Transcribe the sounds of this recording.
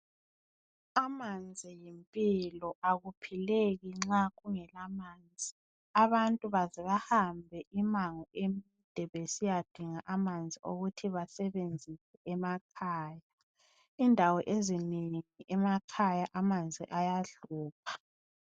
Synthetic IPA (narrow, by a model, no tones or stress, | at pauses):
amand͡zʱijimpʼilɔʔaɣupʰileɣiŋ͡ǁaɣuŋɛlamaːnd͡zʱi | aβantʼuβazɛβahambʱɛʔimaŋɔʔemid̥ʱɛβesijad̥ʱiŋaʔamand͡zʱiʔo̰ɣutʰiβasɛβend͡zʱisɛɛmakʰaːja | indʱawɔʔezineŋiʔɛmakʰajaʔamand͡zʱiʔajaɮuːp̚ʰḁ